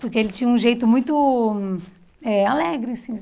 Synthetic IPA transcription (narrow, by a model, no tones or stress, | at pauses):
pʊɾkeelɪt͡ʃĩɲɐũʒejt̪ʊmũj̃t̪ʊ | ɛalɛɡɾɪasĩ